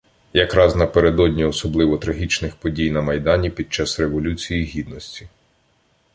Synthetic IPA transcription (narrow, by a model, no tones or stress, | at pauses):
jɐkɾɑznɐpeɾed̪ɔdʲnʲiɔsɔblˠɪʋɔt̪ɾɐɦʲit͡ʃnɪxpɔdʲijnɐmɐjd̪ɑnʲipʲid̪̚t͡ʃɑsɾe̞ʋɔlʲut͡sʲijiɦʲid̪nɔsʲtʲi